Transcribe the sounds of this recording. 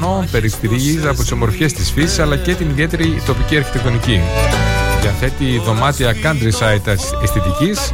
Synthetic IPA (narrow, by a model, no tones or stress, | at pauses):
nonpe̞ɾit̪iɾizɐpot̪i̥so̞moɾfçe̞st̪isfisi̥sɐlɐce̞t̪iniðie̞t̪e̞ɾit̪o̞piciɐɾçit̪e̞kt̪onici | ðiɐθe̞t̪iːðo̞mɐt̪iɐkɐnd̪ɾisɐit̪ | est̪et̪icis